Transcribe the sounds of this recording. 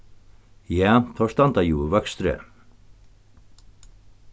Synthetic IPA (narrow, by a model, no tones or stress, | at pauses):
jaːθʰɔʂt̪ant̪ajuːvœkst̪ɾə̰